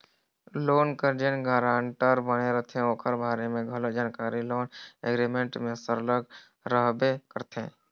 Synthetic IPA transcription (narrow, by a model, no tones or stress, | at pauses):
loːnkəɾd͡ʒənɡəːɾaːɳʈəɾbəɽ̃eɾət̪ʰeɦɛ̃oːkʰəɾbʱaːɾemẽɡʱəlod͡ʒaːnkaːɾiloːnḛɡɾimẽɳʈmẽsəɾləɡ | ɾəɦbekəɾt̪ḛ̃